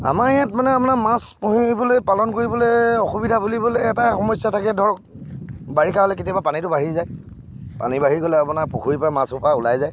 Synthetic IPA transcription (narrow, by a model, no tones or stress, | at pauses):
a̰maɹijãtmanɛapʊnamaspuɦibolojpalɔnkoɹiboleɔxubidʱabuliboleɛtaxɔmɔsjatʰakɛdʱɔɹɔk̚ | baɹikʰaɦɔlɛketijabapanitʊbaɦizaj | pa̰nibaɦiɡɔlɛapunaɹpuxʰuɹipajmasʊpaʊlajzaj